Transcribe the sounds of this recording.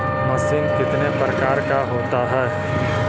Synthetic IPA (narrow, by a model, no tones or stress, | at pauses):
mɐsɪmkɪt̪nepɾɐkaːɾkaɦoːt̪aɦɛː